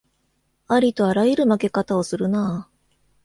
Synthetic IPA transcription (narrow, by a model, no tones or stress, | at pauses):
aɾʲit̪o̞aɾajiɾɯ̟make̞kat̪ao̞sɨɾɯ̟naː